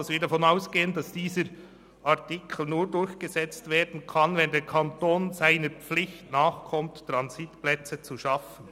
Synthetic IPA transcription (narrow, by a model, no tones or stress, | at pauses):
sviːdafɔnaʊsɡ̥eːəndɑsd̥iːzəɾ | ʔaʁtikʰl̩nuːɾdʊɹçɡ̥əzɛt͡stveːɾdn̩kʰɑnvɛndeːkʰɑntoːnzaɪnəɾp͡flɪçtnaːχkʰɔmtːʁɑnzitplɛt͡sət͡suʃɑfən̩